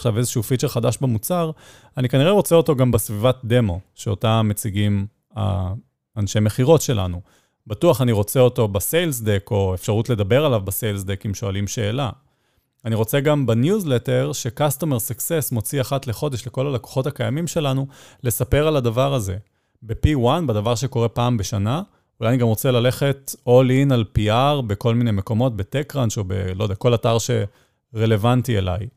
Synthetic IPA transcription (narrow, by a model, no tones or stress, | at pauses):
χʃavezeʃufit͡ʃeʁχad̪aʃbemut͡saʁ | anikaniʁe̞ʁo̞t͡seo̞to̞ɡambesvivat̚d̪e̞mo̞ʃeotamet͡siɡim | a̰ː | nʃemeχiʁo̞tʃe̞la̰nu | batuaχaniʁo̞t͡seoto̞besejlsd̪eko̞efʃaʁutle̞d̪abeʁalavbasejlsdekimʃoalimʃe̞ːla | aniʁo̞t͡seɡambanjuzleteʁʃe̞kastomesaksesmo̞t͡siaχatle̞χo̞de̞ʃle̞ko̞laleko̥χo̞takajamimʃe̞lanule̞sape̞ʁaladavaʁaze̞̰ | bepiwanbad̪avaʁʃ̬e̞ko̞ʁe̞paːmbeʃana | ulajaniɡamʁo̞t͡selale̞χe̞to̞linalpiaʁbe̞ko̞lminejmeko̞mo̞t̚betekʁanʃo̞bḛlojdeako̞lataʁʃe̞ | ʁe̞le̞vantiela̰j